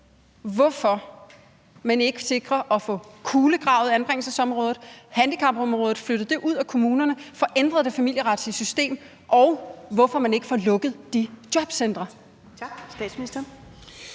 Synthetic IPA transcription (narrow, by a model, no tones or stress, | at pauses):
ʋɒfɒ̽ | mæne̝ɡ̥əse̝ɡ̥ʁɐʔɒ̽fɔ̰̽kʰuːləɡ̥ʁɑ̈ʊð̩ˠænb̥ʁeŋ̰l̩səsɒ̽mʁɔːð̩ˠhænd̥ikʰɑ̈mb̥ɒ̽mʁɔːðð̩ˠfløɾ̥ð̩ˠd̥e̝ʔuð̞̰ˠækʰo̝muːnɐnəfɒ̽ʔend̥ʁɐðˠde̝fæmil̰jəʁad̥sliəsysd̥e̝̰ːm | ʔɒʊʋɒfɒ̽mæne̝ɡ̥əfɒlɔ̽ɡ̥ð̞̩ˠd̥id̥jɒ̽b̥send̥ʁɐ | sd̥ɛ̰̥sminisd̥ɐ